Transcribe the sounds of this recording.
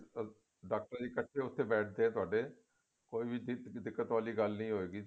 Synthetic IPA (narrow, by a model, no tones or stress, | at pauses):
ɖaːk̚ʈəɾãːd̪iːkəʈʰːeːʊt̪ʰːeːbɛːʈʰd̪eːɛ̃ːt̪ʊaːɖeː | koːiːbiːd̪ɪkːət̪ʋaːliːɡəlnĩːɦoːeːɡiː